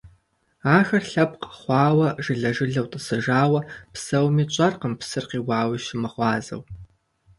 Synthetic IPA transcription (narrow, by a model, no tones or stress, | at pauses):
aːxɐrɬɐp̚qə̥χʷɑːwɐʒɨɮɐʒɨɮɐwtʼɨsɐʒaːwɐpsɐwmiːt͡ʃʼɐrqəmpsɨrqiːwɑːwiːʃɪmɨʁʷɑːzɐ̰w